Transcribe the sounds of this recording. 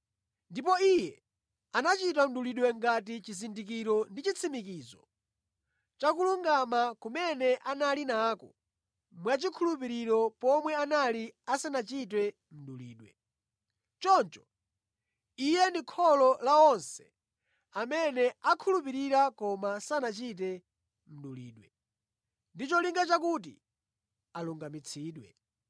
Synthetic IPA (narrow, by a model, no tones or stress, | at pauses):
ndipɔijɛ | anat͡ʃit̬am̩ɗuliɗwɛŋɡatit͡ʃizindikiɾɔndit͡ʃit͡sʰimikiːzɔ̰ | t͡ʃakuluŋɡamakumɛnɛʔanalinaːkɔ̰ | mwat͡ʃikʰulup̬iɾiɾɔpɔmwɛanaliasanat͡ʃit̬wɛ | m̩ɗṵlḭːɗwɛ̰ | t͡ʃɔnt͡ʃɔ̥ | ijɛndikʰɔlɔlaɔnsɛ̥ | amɛnɛakʰulupiɾiɾakɔmasanat͡ʃit̬ɛ | m̩ɗulḭːɗwɛ | ndit͡ʃɔliŋɡat͡ʃakut̬i | aluŋɡamit͡sʰiːɗwɛ̰